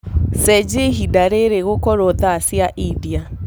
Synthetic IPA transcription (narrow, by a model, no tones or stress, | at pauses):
sɛd͡ʒeɦidaɾeɾeɣokɔɾɔðasjaʔiðia